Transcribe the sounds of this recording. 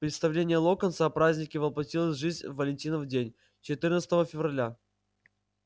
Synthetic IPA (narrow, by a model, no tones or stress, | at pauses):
pɾʲɪt̪st̪ɐvlʲenʲɪjəlˠokənsəpɾazʲnʲɪkʲɪvəlˠpɐtʲilˠəsʲʐɨzʲnʲvəlʲɪnʲtʲinəvdʲenʲ | t͡ɕɪt̪ɨrnət̪sət̪əvəfʲɪvrɐlʲa